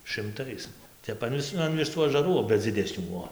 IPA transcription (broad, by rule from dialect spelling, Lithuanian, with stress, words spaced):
ʃɨmˈtɐɪs ˈtʲɛp ɐn ˈʋʲɪs ɐn ʋʲɪˈsuː ɐʒɐˈruː ˈʋɐ d͡zʲɪˈdʲæːsʲnʲuː ˈbuɔ